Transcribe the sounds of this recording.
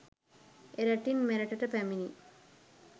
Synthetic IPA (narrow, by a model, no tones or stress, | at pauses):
eɾɐʈːinmeɾɐʈɐʈɐpæmini